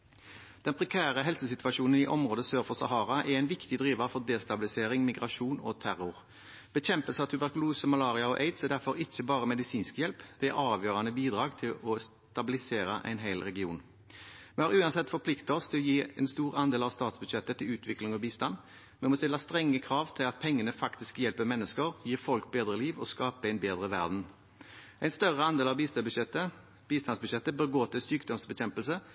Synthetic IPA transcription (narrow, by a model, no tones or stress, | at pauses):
d̪̥ɛnpʰʁɛkʰæːʁəɦɛlsəsɪt̪ʉɑʂuːnənɪʔɔmʁoːd̪əsøːʁfɔsɑ̰hɑːɾɑʔɛɾæɪnʋɪkt̪ɪd̪ɾʁiːʋɑfɔʁd̪eːst̪ɑbɪlɪseːɾɪŋmɪɡʁɑʂuːnɔ̰t̪ʰæɾʊʁ | b̥əçɛmpəlsəɑt̪ʰʉbæʁkʉluːsəmɑlɑːʁɪɑɔʔeɪd̪sɛd̪æʁfɔɾɪçːəbɑːʁəmɛd̪ɪsiːnskjɛlpd̪̥ɛɛʔɑːʋjøːʁɑnəbiːd̪ʁɑːɡt̪ʰɪlɔs | t̪ɑbɪlɪseːɾəʔæ̰ɪnɦæɪlʁɛɡɪṵːn | mɛhɑʁʉːɑnsɛt̪ːfɔpʰlɪkt̪əɔst̪ʰɪlɔjiːɛɪnst̪uːʁɑnd̪eːlɑʋst̪ɑːt̪sbʉd̪ɕɛt̪ːət̪ʰɪlʉːt̪ʰʋɪklɪŋɔbiːst̪ɑn | mɛnmɔst̪ɪlːɑst̪ɾɛŋːəkʰɾɑːʋt̪ʰɪlɑt̪̚pʰɛŋːənəfɑkt̪ɪskjɛlpəmɛnːəskəɾjiːfɔlkbeːd̪ɾəliːʋɔskɑːpəæɪnbeːd̪ʁəʋæ̰ʁd̪n̩ | æɪnst̪œʁəɑnd̪eːlɑʋbiːst̪ɛt̪ːə | b̥iːst̪ɑnsbʉɕɛt̪ːəbəɡoːt̪ʰɪlsyːkd̪ɔmsbəçɛmpəlsə